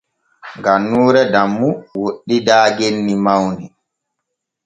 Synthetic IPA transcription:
ŋɡanːuːɾɛdamːuwoɗːidaːɡenːimawnɛ

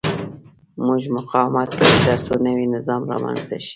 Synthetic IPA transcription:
mʊʒmʊqɑwmat̪̚kad̪aɾsonəwinɪzɑmɾɑ̰ma̰nzd̪a̰ʃi̥

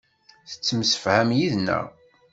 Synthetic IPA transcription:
θə̥t͡sːəmsə̥fʕæmjiðnːæ̰

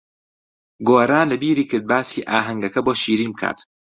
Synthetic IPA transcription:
ɡoːɾaːnlebiːɾikʰed̪̚baːsiːʔaːɦæŋɡækʰæbɔːʃiːɾiːmkʰæ̰d̪̥

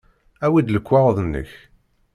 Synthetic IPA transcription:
æwid̪ləkʷːɑʁˤəðˤənːə̰ç

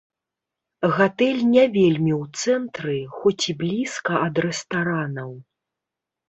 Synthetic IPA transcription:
ɣat̪ɛlʲnʲavʲelʲmʲiwt̪sɛnt̪ɾɨxɔt͡sʲiblʲiskɐʔɐd̪rɛst̪aɾanɐw

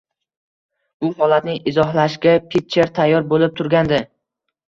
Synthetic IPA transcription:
bʊɦɒlat̪̚nɪɪzɒɦlaʃɡʲapʰit̪t͡ʃːeɾt̪ʰajːɒɾbolɪp̚t̪ʰʊɾɡʲand̪ɪ

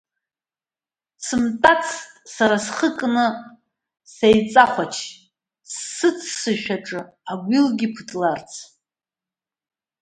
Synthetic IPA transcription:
sɨmtʼat͡sʰtʼsaɾasχəkʼnɨ | sejt͡sʼaχʷat͡ʃʰ | sːɨt͡sʰsɨʃᶣaʈ͡ʂʼɨ | aɡʷilɡʲipʰɨtʼlart͡sʰ

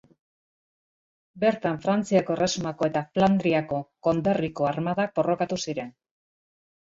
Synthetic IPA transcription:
be̞ɾt̪aɱfɾant͡siako̞ere̞sumako̞e̞t̪afland̪ɾiako̞ko̞nd̪eriko̞aɾmaðak̚bo̞ro̞kat̪usiɾe̞n

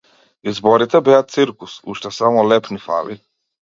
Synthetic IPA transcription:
izbɔɾit̪ʰɛbɛat̪̚sʰiɾkʰʼusṵʃt̪ʰasamɔlɛpʰnifa̰li

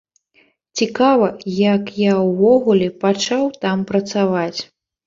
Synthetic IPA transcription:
t͡sʲikavɐjakjawvɔɣulʲɛpat͡ʂawt̪ampɾɐt̪savat͡sʲ

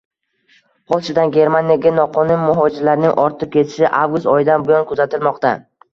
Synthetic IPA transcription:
pʰɒlˠt͡ʃʰɪd̪anɡʲe̞ɾmanʲijaɡʲanɒqʰɒnʊnmʊɦɒd͡ʒɪɾlaɾɪnɪŋʔɒɾt̪ʰɪp̚kʲʰe̞t̪ʰɪ̥ʃɪʔavɡʊst̪ɒjɪd̪anbʊjɒnkʰʊzat̪ʰɪlmɒqt̪a

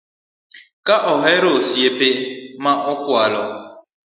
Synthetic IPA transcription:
kaʔɔɦeɾosiepemaʔʊkʷʊalɔ

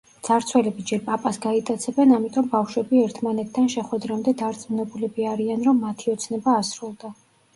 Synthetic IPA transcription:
d̪z̥aɾt̪sʰwɛlɛbid͡ʒɛɾpʼapʼasɡait̪ʼat̪sʰɛbɛnamit̪ʼɔmbafʃwɛbiɛɾt̪ʰmanɛt̪ʰd̪anʃɛχwɛd̪ɾamd̪ɛd̪aɾt̪sʼmunɛbulɛbiaɾianɾɔmːat̪ʰiɔt̪sʰnɛbaːsɾulˠd̪a

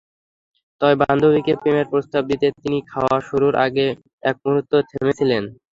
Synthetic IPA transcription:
t̪ɔbeband̪ʱobikepɾemeɾpɾost̪ab̚d̪it̪et̪inikʰaoaʃuɾuɾʔa̰ɡe | ɛk̚muɾot̪ːot̪ʰemet͡ɕʰilen

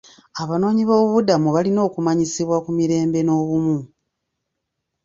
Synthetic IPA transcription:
aβano̞ːɲiβo̞ːβudamuβalino̞ːkumaɲisiβwakumiɾe̞ːmbe̞no̞ːβumu

